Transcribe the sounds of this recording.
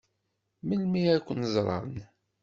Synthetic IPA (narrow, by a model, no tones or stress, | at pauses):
məlmiækʷːənəzˤɾˤɑ̰ɾˤən